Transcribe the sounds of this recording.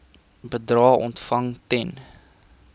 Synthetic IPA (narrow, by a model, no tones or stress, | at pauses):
bədrɑːɔ̰ntfɐŋtɛn